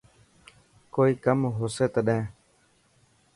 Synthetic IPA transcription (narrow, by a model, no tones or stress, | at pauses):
koːiːkəmɦoːseːt̪əɗẽː